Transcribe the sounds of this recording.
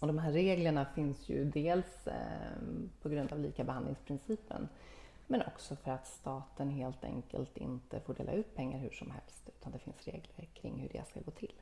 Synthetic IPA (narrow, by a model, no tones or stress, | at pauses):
ɔd̪ɔmhɦæːɾeːɡləɳafɪnsjɵ̰d̪eːls | pʰɔɡɾɵnd̪avlḭːkabɛhand̪lɪŋspʰɾɪnsiːpə̰n | mɛnʔɔ̰ksɔfœɾat̪st̪ɑːt̪ənɦeːlt̪ɛ̰ŋkə̰lt̪ɪ̰nt̪əfoːɖḛːla̰ʉ̟ːt̪̚pʰɛŋːaɾhɵ̟ʂɔmhɛlst̪ʉ̟ːt̪ʰand̪ɛfɪnsɾeːɡləɾkʰɾɪ̰ŋːhɵɖɛ̰skaɡoːt̪ʰɪlː